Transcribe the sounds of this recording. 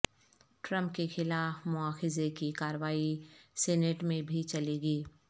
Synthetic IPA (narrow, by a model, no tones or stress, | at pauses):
ʈɾə̃mpkexɪlaːfmʊaːxɪzekikaːɾəʋaːisɛːneʈmẽbʱit͡ʃɐleːɡiː